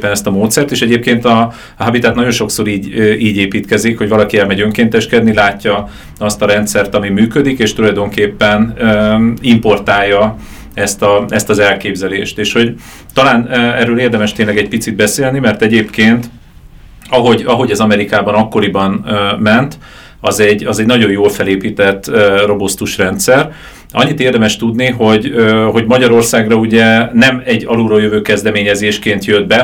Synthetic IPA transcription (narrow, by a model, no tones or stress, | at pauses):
pːɛnɛst̪ɒmoːt̪sɛrt̪eːʃɛɟeːp̚keːnt̪ɒ | ɦɒbit̪aːt̪nɒɟo̞nʃo̞kso̞ɾiːɟiːɟeːpiːt̪kɛzikho̞ɟvɒlɒkiɛlmɛɟø̞ŋkeːnt̪ɛʃkɛd̪nilaːcːɒ | ɒst̪ɒɾɛnt̪sɛrt̪ɒmimyːkød̪ikeːʃt̪ulɒjd̪o̞ŋkeːpːɛnøimpo̞rt̪aːjːɒ | ɛst̪ɒɛst̪ɒzɛlkeːbzɛleːʃt̪eːʃho̞ɟ | t̪ɒlaːnɛrːøːleːrd̪ɛmɛʃt̪eːɲlɛɡɛc̚pit̪sid̪̚bɛseːlnimɛrt̪ɛɟeːpkeːnt̪ | ɒɦo̞ɟɒɦo̞ɟɛzɒmɛɾikaːbɒnɒkːo̞ɾibɒnmɛnt̪ | ɒzɛɟːɒzɛɟnɒɟo̞joːlfɛleːpiːt̪ɛt̪ːro̞bost̪uʃrɛnt̪sɛr | ɒ̰ɲːit̪eːrd̪ɛmɛʃt̪ud̪niɦo̞ɟøɦo̞ɟmɒɟɒɾo̞rsaːɡrɒuɟɛnɛmɛɟːɒluːɾɒjøvøːkɛzd̪ɛmeːɲɛzeːʃkeːnt̪jød̪̚bɛ